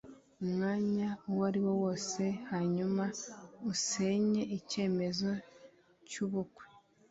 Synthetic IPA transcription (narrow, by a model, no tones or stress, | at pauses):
umŋaːɲawaɾiwo̞wo̞ːse̞haɲumauseɲe̞ice̞ːme̞zo̞ | cuβukwe